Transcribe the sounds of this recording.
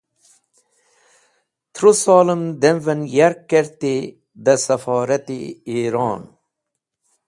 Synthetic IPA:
t̪ʰɾusɑːləmd̪envɐnjɐɾkːeɾt̪i | d̪ɐsɐfɑːɾɐt̪ḭiːɾɑːn

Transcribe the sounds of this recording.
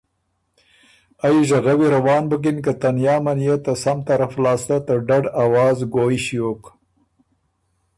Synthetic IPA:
ajʒaɣawiɾawɑːnbək̬ɪnkat̪anjɑːmanjet̪asamt̪aɾaflɑːst̪at̪əɖaɖawɑːzɡoːiʃjoːk

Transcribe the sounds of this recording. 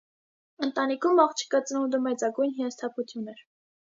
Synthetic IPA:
ənt̪ɑnikʰumɑχt͡ʃʰi̥kɑt͡snund̪əmɛt͡sɑɡujnɦijɑnst̪ʰɑpʰut͡sʰjunɛɾ

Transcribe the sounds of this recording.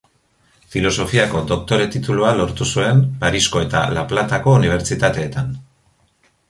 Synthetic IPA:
filo̞so̞fiako̞d̪o̞k̚t̪o̞ɾe̞t̪it̪ulualo̞ɾt̪usue̞mpaɾisko̞e̞t̪a̰laplat̪ako̞uniβ̞e̞ɾt͡sit̪at̪e̞ːt̪an

